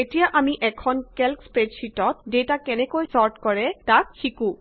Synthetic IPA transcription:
etijaʔamiʔɛkʰɔnkelkspɹedsitɔtdetakɛnɛkojsɔɹtkɔɹɛtakxikũ

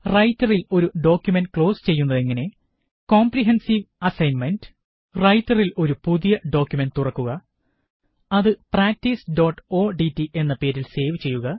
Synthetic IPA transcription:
rɐjtːɐrilo̞ɾuɖo̞ːkʲjume̞nɖkɭo̞ːst͡ɕe̞jːunːɐðe̞ŋːɐne̞ | ko̞ːmpriɦensiʋɐsɐjnme̞nɖ | rɐjtːɐrilo̞ɾupuðijɐɖo̞ːkʲjume̞nɖt̪urɐkːuɣɐ | ɐðɨpraːk̚tisɖo̞ːʈːo̞ːɖitːiʔe̞nːɐpe̞ːɾilse̞ːʋt͡ɕe̞jːuɣɐ

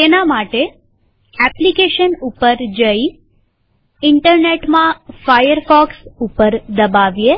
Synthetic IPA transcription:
t̪enamaʈe | ɛplikeʃənupəɾd͡ʒəi | ɪɳʈəɾneʈmãfajəɾfɔksupəɾd̪əbaʋje

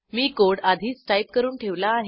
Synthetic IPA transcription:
miːkoɽad̪ʱiːsʈajp̚kəɾuːnʈʰeʋlaːɦe

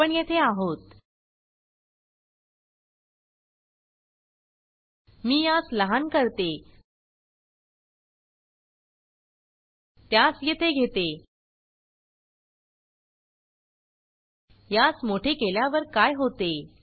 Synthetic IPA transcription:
əɳjet̪ʰeaɦot̪ | miːjasləɦankəɾt̪e | t̪jasjet̪ʰeɡʱet̪e | jat͡smoʈʰekeljaʋəɾkajɦot̪e

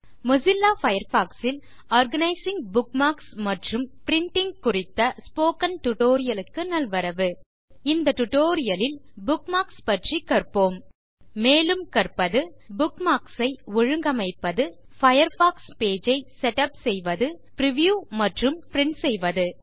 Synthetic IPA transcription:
mʊsɪlːaːfɐjɐɾfaːksɪl | aːɾɡɐnɐɪsɪŋbʊkmaːksmɐʈrɯmpɪɾɪɳʈɪŋɡkʊrɪt̪ːɐspoːkɐnʈʊʈoːɾɪjɐlɯkːɯnɐlʋɐɾɐʋɯ | ɪnd̪ɐʈʊʈoːɾɪjɐlɪlbʊkmaːkspɐʈrikɐrpoːmː | eːlɯmkɐrpːɐðɯbʊkmaːksɐɪɔɻɯŋɡɐmɐɪpːɐðɯ | fɐjɐɾfaːkspeːd͡ʒɐɪsɛʈɐpsɛjʋɐðɯpɾɪʋjuːmɐʈrɯmpɾɪɳsɛjʋɐðɯ

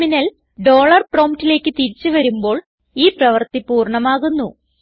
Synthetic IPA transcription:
minɐl | ɖo̞ːɭɐrpro̞ːmtile̞ːkːɨt̪iɾit͡ɕːɨʋɐɾumbo̞ːɭ | iːprɐʋɐrt̪ipuːrɳɐmaːɣunːu

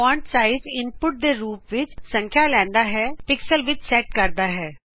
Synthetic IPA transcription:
ãːɳʈsaːɪzɪnpʊʈ̚d̪eːɾuːpʋɪt͡ʃsə̃ŋkʰjaːlɛ̃ːnd̪aːɦɛːpɪksəlʋɪt͡ʃsɛːʈ̚kəɾd̪aːɦɛː

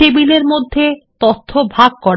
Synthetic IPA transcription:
ibileɾmod̪ʱːet̪ot̪ʰːobʱaɡ̚kɔɾ

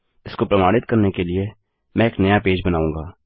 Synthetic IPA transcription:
ɪskopɾɐmaːɽ̃ɪt̪kɐɾnekelie | mɛ̃eːknɐjapeːd͡ʒbɐnaːũːɡaː

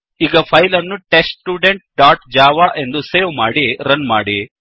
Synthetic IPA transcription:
iɡɐpʰɐjlɐnːuʈeːsʈʈːuːɖeɳʈ̚ɖaːɾʈd͡ʒaːʋaːʔe̞nd̪useːʋmaːɽiɾɐnma̰ːɽi

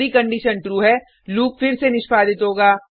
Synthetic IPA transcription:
ɾikɐ̃ɳɖiːʃənʈɾuːɦɛː | luːk̚fɪɾsenɪʃpaːd̪ɪt̪ɦoːɡaː

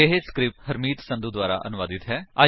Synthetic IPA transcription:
eɦeskɾɪp̚ʈɦəɾmiːt̪sə̃nd̪uːd̪waːɾa̰ːʔə̰nʊʋaːd̪ɪt̪ɦɛːaː

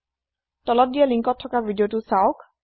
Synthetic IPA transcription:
tɔlɔt̚dijaliŋkɔtʰːɔkabʱidijotʊsaʊk

